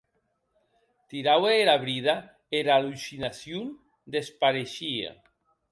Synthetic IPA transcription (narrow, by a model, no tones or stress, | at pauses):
t̪iɾaweeɾaβɾiða | eɾalusinasjun | d̪espaɾeʃiḛ